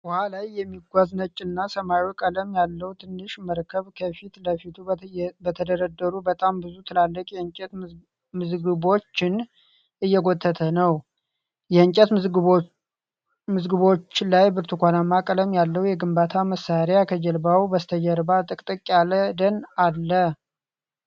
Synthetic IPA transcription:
whalajːɛmːiɡʷaznət͡ʃʼːɪnːasəmaukʼələmjalːəwut̪ʰɨnːɨʃməɾkʰəβkʰəfit̪ləfit̪ʰubət̪ʰəd̪əɾəd̪ːəɾubət̪ʼambɨzut̪ʰɨlalːəkʼjɛɨɲt͡ʃʼɛt̪ | mɨzɡɨβo̞t͡ʃːɪn | ʔɨjːɛɡo̞t̪ʰːət̪ʰənəw | jɛɨɲt͡ʃʼɛt̪ | mɨzɡɨβo̞t͡ʃːlajbɨɾt̪ʰukʷʰanamːakʼələmjalːəwujɛɡɨmbat̪ʰaməsaɾjakʰəd͡ʒɛlbawbəst̪ʰəd͡ʒɛɾbat̪ʼɨkʼt̪ʼɨkʼːjaləd̪ənalːə

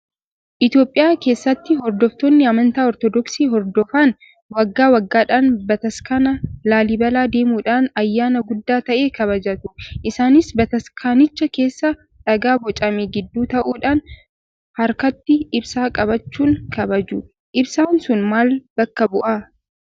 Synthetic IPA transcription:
ʔɪt̪jo̞ːpʼːɪjaːke̞ːsːɐt̪ːɪɦɔɾd̪ɔft̪onːɪɐmɐnt̪aːɔɾt̪ɔd̪ɔksiːɦɔɾd̪ɔfaːn | wɐɡːaːwɐɡːaːᶑaːnbɐt̪ɐskanɐlaːlɪbɐlaːd̪e̞ːmuːᶑaːnɐjːaːnɐɡʊd̪ːaːt̪ɐʔe̞ːkɐβɐd͡ʒɐt̪ʊʔɪsaːnɪsbɐt̪ɐskʰaːnɪt͡ʃːɐke̞ːsːɐ | ᶑɐɡaːbɔt͡ʃʼɐmeːɡɪd̪ːuːt̪ɐʔuːᶑaːn | hɐɾkɐt̪ːɪɪbsaːkʼɐβɐt͡ʃːuːŋkʰɐbɐd͡ʒʊ | ʔɪbsaːnsʊnmaːlb̥ɐkːɐbʊʔɐ

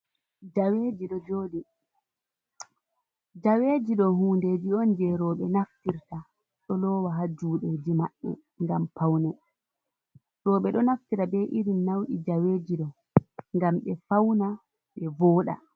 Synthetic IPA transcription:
d͡ʒaweːd͡ʒiɗɔd͡ʒoːɗi | d͡ʒaweːd͡ʒiɗɔhuːnded͡ʒiɔnd͡ʒɛɾɔːɓɛnaftiɾta | ɗɔlɔːwaɦad͡ʒuːɗɔd͡ʒimaɗːɛ̰ | ŋɡampawnɛ | ɾɔːɓɛɗɔnaftiɾabɛʔiɾinːawɗid͡ʒaweːd͡ʒiɗɔ | ŋɡamɓɛfawna | ɓɛvɔːɗa̰

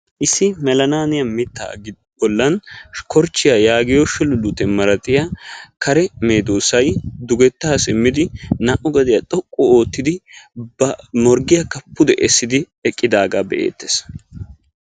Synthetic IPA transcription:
ʔɪsːɪmɛlɐnaːnɪjɐmɪt̪ːa̰ːɡɪ | bɔlːɐnkɔɾt͡ʃːɪjajaːɡɪjɔʃɛlʊlʊt̪ɛmɐɾɐt̪ʼɪjakɐɾɛme̞ːd̪oːsɐjd̪ʊɡɛt̪ːaːsɪmːɪd̪ɪnɐʔʊɡɐd̪ɪjɐt̪ʼɔkʼːɔo̞ːt̪ːɪd̪ɪbɐmɔɾɡɪjɐkːɐpːʊd̪ɛʔɛsːɪd̪ɪ | ɛkʼːɪd̪aːɡaːbɛʔḛːt̪ːes

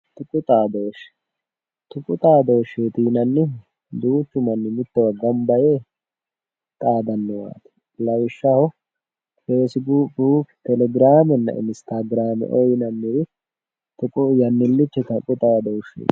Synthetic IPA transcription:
t̪ʊkʼʊt̪ʼaːd̪oːʃɛ̥ | t̪ʊkʼʊt̪ʼaːd̪oːʃːeːt̪iːnɐnːɪ | d̪uːt͡ʃːʊmɐnːɪmɪt̪ːɛwɐɡɐmbɐjeː | t̪ʼaːd̪ɐnːɔwa̰ːt̪ɪ̥ | lɐwɪʃːɐhɔ | feːsɪbuːbuːkt̪ɛlɛɡɪɾaːmɛnːɐ̰ʔɪ̰nst̪aɡɾaːmɛ̰ʔɔjnɐnːɪɾɪ | t̪ʊkʼʊjɐnːɪlːɪt͡ʃːɛt̪ɐkʼʊt̪ʼaːd̪owʃḛ̥ː

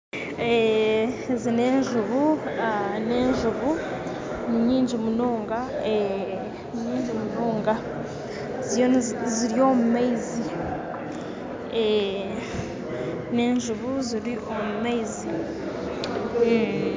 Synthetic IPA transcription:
e | zine̞ːɲʒuβuaneːɲʒuβu | niɲiːɲd͡ʒimunoːŋɡae | iɲiːɲd͡ʒimunoːŋɡa | zjoziɾijo̞mumaizi | e | ne̞ːɲʒuβuziɾiʔomumaizi

